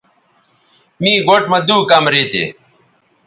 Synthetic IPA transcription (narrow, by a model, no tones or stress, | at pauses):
miːɡoʈmɐd̪uːkɐmɾeːt̪ḛː